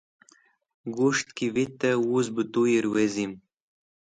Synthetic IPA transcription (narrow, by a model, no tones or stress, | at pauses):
ɡuʃt̪̚kivit̪ːəuzbɨt̪ujiɾwezʲim